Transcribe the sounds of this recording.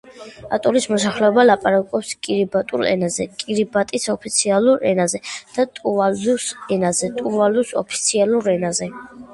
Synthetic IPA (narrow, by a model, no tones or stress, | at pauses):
a̰t̪ʼulismɔsaχlɛɔbalapʼaɾakʼɔpskʼiɾibat̪ʼṵlɛ̰nazɛ̰kʼiɾibat̪ʼisɔpʰit̪sʰialˠuɾɛ̰nazɛd̪̥at̪ʼuvalusɛnazɛt̪ʼuvalusɔ̰pʰi̥t̪sʰialˠuɾɛnazɛ